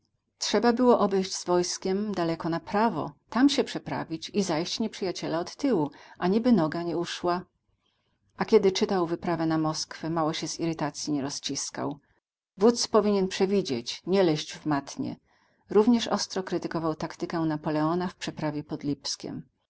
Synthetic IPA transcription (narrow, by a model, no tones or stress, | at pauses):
tʂɛbabɘwɔʔɔbɛjʑd͡ʑz̥vɔjskʲɛmd̪alɛkɔnapɾavɔ̰t̪amɕɛpʂɛpɾa̰vʲit͡ɕizajɕt͡ɕɲɛpʂɘjat͡ɕɛlaɔt̪ːɘwuʔaɲibɘnɔɡaɲɛuʂwa | ʔakʲɛd̪ɘt͡ʂɘt̪awvɘpɾavɛnamɔskfɛmawɔɕɛziɾɘt̪at̪sʲjiɲɛɾɔst͡ɕiska̰w | vut̪spɔvʲiɲɛnpʂɛvʲid͡ʑḛt͡ɕɲɛlɛʑd͡ʑvmat̪ɲɛ̰ | ɾuvɲɛʂɔ̰st̪ɾɔkɾɘt̪ɘkɔvawt̪akt̪ɘkɛnapɔlɛɔnafpʂɛpɾavʲjɛpɔd̪lʲipskʲɛ̰m